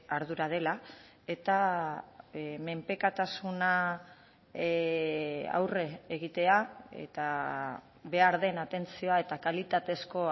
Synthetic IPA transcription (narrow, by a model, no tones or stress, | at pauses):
aɾðuɾað̞e̞la | e̞t̪a | me̞mpe̞kat̪asuna | a̰wre̞ːɣ̞it̪e̞aḛt̪a | βe̞aɾðe̞nat̪e̞nt͡sio̞ae̞t̪akalit̪at̪e̞sko̞